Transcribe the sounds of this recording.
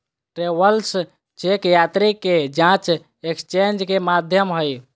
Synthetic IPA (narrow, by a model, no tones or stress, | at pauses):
ʈɾebəls | t͡ʃekjat̪ɾikːed͡ʒãt͡ʃ | ekst͡ʃend͡ʒkemad̪ʱjəmɦəj